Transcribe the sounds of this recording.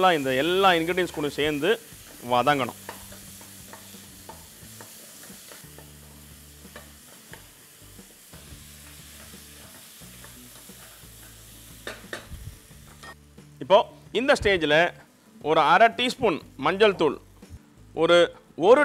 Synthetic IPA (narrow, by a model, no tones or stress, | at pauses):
lːãːɪnd̪ɐɛlːãːɪnɡɪɖɪnskʊɳɯ̃seːɾnd̪ɯ | ʋaːðaːŋɡɐɳʊ̰̃ | ɪpːoːɪnd̪ɐsʈeːd͡ʒɪlɐ | ʔɔɾɯɐɾɐʈːiːspʊnmɐɲd͡ʒɐlt̪uːɭ | ʔɔɾɯ | ɔɾɯ